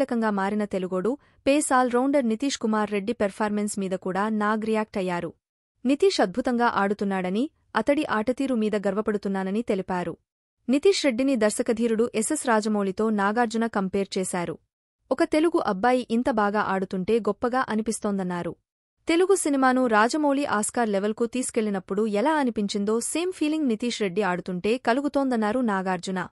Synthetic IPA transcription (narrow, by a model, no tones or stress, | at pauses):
lɐkɐŋɡaːmaːɾinɐt̪e̞luɡo̞ːɽu | peːsaːlɾɐwɳɖɐɾnit̪iːʂkumaːɾːe̞ɖːipɐɾpʰaːɾmensmiːd̪ɐkuːɽaːnaːɡɾijaːk̚ʈɐjːaːɾu | nit̪iːʂɐd̪̚bʱut̪ɐŋɡaːʔaːɽut̪unːaːɽɐni | ɐt̪ɐɽiʔaːʈɐt̪iːɾumiːd̪ɐɡɐɾʋɐpɐɽut̪unːaːnɐnit̪e̞lipaːɾu | nit̪iːʂɾe̞ɖːinid̪ɐɾsɐkɐd̪ʱiːɾuɽuʔese̞sɾaːd͡ʒɐmoːlit̪o̞ːnaːɡaːɾd͡ʒunɐkɐmpeːɾt͡ʃɛːsaːɾṵ | ɔkɐt̪e̞luɡuʔɐbːaːjiʔint̪ɐbaːɡaːʔaːɽut̪uɳʈe̞ːɡɔpːɐɡaːʔɐnipist̪o̞ːnd̪ɐnːaːɾu | t̪e̞luɡusinimaːnuɾaːd͡ʒɐmo̞ːliʔaːskaːɾleʋelkut̪iːsi̥ke̞ɭːinɐpːuɽuɛlaːɐnipiɲt͡ʃind̪o̞ːse̞ːmpʰiːliŋɡnit̪iːʂɾe̞ɖːiaːɽut̪uɳʈe̞ːkɐluɡut̪o̞ːnd̪ɐnːaːɾunaːɡaːɾd͡ʒunɐ